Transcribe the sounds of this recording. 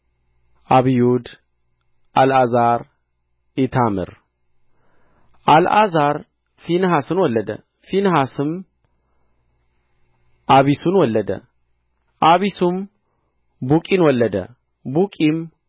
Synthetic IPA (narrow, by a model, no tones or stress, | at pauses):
ʔaβijud̪ | ʔalazaɾ | ɪt̪ʰamɨ̰ɾ | ʔalʔazaɾ | finhasɨnwɔlːəd̪ə̰ | finhasɨm | ʔaβisunwɔlːəd̪ə̰ | ʔaβisum | bukʼinwɔlːəd̪ə̰ | bukʼim